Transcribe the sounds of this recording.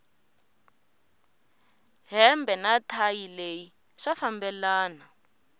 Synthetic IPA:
ɦɛmbɛnatʰajileji | ʂafambɛlaːna

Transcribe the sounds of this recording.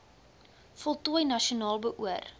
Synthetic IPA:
fɔlˠtuəjnɐʃionɑːlˠbəʔuər

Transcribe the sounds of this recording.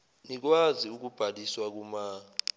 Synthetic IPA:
nik̬waziuk̬ub̥ʱaliswak̬umaːi

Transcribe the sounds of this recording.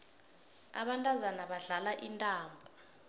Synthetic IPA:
a̰ɓantʼazanaɓaɮalaʔintʼaːmbʱɔ

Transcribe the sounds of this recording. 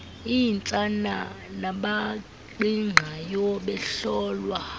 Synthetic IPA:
ijnt͡sʼana̰ | naɓa | ǃiŋ͡ǃʱajɔɓɛɬɔːlwa

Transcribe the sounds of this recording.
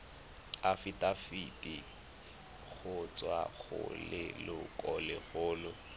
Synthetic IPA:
afitʼafitʼi | ɣʰʊt͡sʼwaɣʊ̰lɪlʊkʼɔlɪɣʊːlʊ

